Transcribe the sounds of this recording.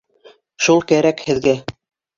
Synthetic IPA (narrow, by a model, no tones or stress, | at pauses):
ʃulˠkæɾækhɘ̆ðɡæ